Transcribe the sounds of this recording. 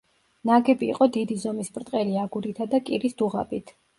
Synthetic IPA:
naɡɛbḭːqʼɔd̪id̪izɔmispʼɾt̪ʼqʼɛliaɡuɾit̪ʰad̪akʼiɾisd̪uʁa̰bit̪ʰ

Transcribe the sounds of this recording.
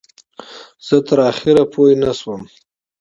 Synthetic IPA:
z̥ət̪əɾɑxɪɾapʰojnaswəm

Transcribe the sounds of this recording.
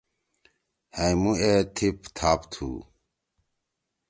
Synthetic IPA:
hãĩmũet̪ʰipt̪ʰaːpt̪ʰṵː

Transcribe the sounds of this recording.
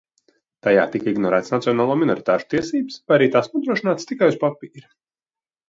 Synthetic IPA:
t̪aja̰ːt̪ikiɡnɔɾæːt̪snat̪sijɔnaːlˠuɔːminoɾit̪aːʃu̥t̪iɛsiːbspajaɾiːt̪aːsnuɔd̪ɾuɔʃinaːt̪st̪ikajuspapiːɾi

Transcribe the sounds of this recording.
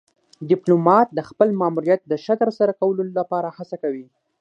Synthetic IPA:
ɖɪplomɑt̪̚d̪əxpəlmɑmuɾjat̪̚d̪əʃat̪əɾsaɾakawəlolapɑɾahat͡sakawi

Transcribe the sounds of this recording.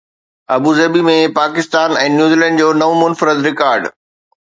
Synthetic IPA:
ɐbuːzɐbimẽpaːkɪst̪aːnɛ̃ːnjuːzilɛ̃ɳɖd͡ʑoːnɐʋõmʊnfɾəd̪ɾɪkaːɾɖ

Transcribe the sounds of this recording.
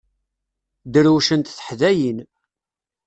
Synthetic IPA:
d̪əɾuʃənt̪θə̥ħðæjin

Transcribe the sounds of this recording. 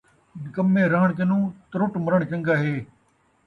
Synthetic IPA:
kəmːẽːɾəɦəɳ̃k̬enũːt̪əɾʊʈməɾəɳ̃t͡ʃə̃ŋɡaːɦeː

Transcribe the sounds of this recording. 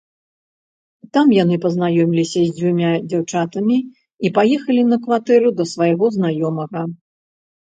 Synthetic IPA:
t̪amjanɨpɐznajɔmʲilʲisʲɐzʲd͡zʲvʲumʲad͡zʲawt͡ʂat̪ɐmʲi | ipajɛxɐlʲinɐkvat̪ɛɾud̪ɐsvajɣɔznajɔmɐɣɐ

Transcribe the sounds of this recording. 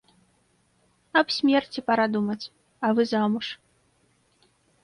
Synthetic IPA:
ɐpsʲmʲɛrt͡sʲipaɾad̪umɐt͡sʲ | ɐvɨzamuʂ

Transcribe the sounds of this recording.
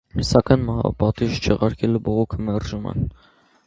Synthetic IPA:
sɑkɑjnmɑ̰bɑt̪iʒt͡ʃʰɛʁɑɾkʰɛlubɔʁɔkʰəmɛrʒumɛ̰n

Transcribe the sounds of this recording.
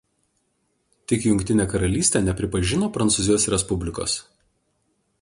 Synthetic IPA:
t̪ʲɪkjʊŋʲkʲt̪ʲɪnʲeːkɐɾɐlʲiːsʲt̪ʲɛːnʲɛpʲɾʲɪpɐʒʲɪnoːpɾɐnt̪suzʲɪjoːsɾʲɛspʊbʲlʲɪko̰ːs

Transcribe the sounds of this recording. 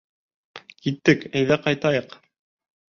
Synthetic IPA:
kit̪ːɘkæjðæqɑjt̪ɑjɤq

